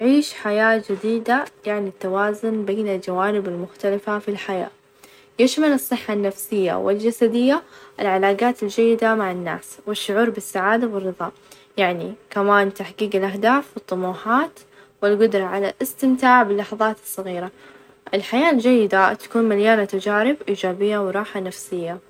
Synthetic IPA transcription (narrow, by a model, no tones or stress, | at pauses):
ʕiːʃħajaːd͡ʒɪd̪iːd̪ajaʕnit̪ːawaːzʊnbeːnɪld͡ʒawaːnɪbɪlmʊxt̪alafafilħaja̰ː | jɪʃmalɨsˤːɨħːanːafsɪjːa̰wɪ̰ld͡ʒasad̪ɪjːaʔɪlʕalaːɡaːt̪ɪld͡ʒajːɪd̪amaʕanːa̰ːswɪʃːʊʕuːɾbɪsːaʕaːd̪awɪrːɨðˤɑː | jaʕnikamaːnt̪aħɡiːɡɪlʔahd̪aːfwɨt̪ˤːʊmuːħaːt̪ | wɪlɡʊd̪ɾˤɑʕala̰lʔɪst̪ɪmt̪aːʕbɪlːɑħɑðˤɑːt̪ɨ̥sˤːɑɣiːɾa | ʔɪlħajaːʔld͡ʒajːɪd̪at̪ḁkuːnmaljaːnat̪ad͡ʒaːɾɪbʔiːd͡ʒaːbɪjːawɪɾˤɑːħanafsɪjːa